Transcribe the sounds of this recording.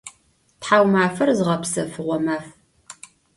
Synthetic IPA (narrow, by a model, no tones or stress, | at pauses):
tħaːwmaːfɐrzɨʁɐpsɐfɨʁʷɔmaːf